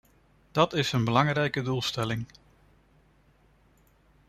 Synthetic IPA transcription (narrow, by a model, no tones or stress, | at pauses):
d̥ɑtɪsənbəlɑŋrɛjkədulˠstɛlɪŋ